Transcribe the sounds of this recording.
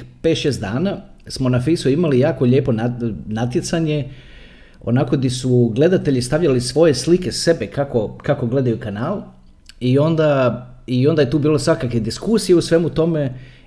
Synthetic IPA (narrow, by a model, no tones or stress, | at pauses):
pet̪ʃeːst̪d̪aːnasmo̞nafisuimalijaːko̞ʎe̞ːpo̞nanat̪je̞t̪saɲe̞ | o̞̰nako̞d̪isuɡle̞d̪at̪e̞ʎist̪aʋʎalisʋo̞je̞slikese̞bekako̞kako̞ɡle̞d̪ajukanaːl | io̞nd̪aio̞nd̪ajet̪uːbiːlosʋakakʋed̪iskuːsijeusʋe̞mut̪o̞me